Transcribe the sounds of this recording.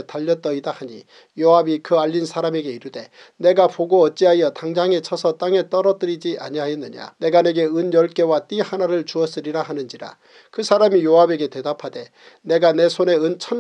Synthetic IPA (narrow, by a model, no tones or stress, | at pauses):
taʎːʌt͈̚ʌidahaɲḭ | joɦabikɯaʎːinsʰaɾame̞ɡe̞iɾɯde̞ | ne̞ɡapoɡoʌt̚t͡ɕ͈iɦajʌtaŋd͡ʑaŋe̞t͡ɕʰʌsʰʌt͈aŋe̞t͈ʌɾʌd͈ɯɾid͡ʑiʔa̰ɲiɦajʌnːɯɲa̰ne̞ɡane̞ɡe̞ɯnjʌɭk͈e̞wat͈ihanaɾɯɭt͡ɕuʌs͈ɯɾiɾaɦanɯnd͡ʑiɾa̰ | kɯsʰaɾamijoabe̞ɡe̞te̞dapʰade̞ | ne̞ɡane̞sʰone̞ɯnt͡ɕʰʌn